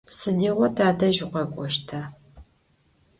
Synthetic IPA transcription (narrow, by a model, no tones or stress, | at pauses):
sɨdiːʁʷɔtʰaːdɐʒʊqʷɐkʷʼɔʃtʰa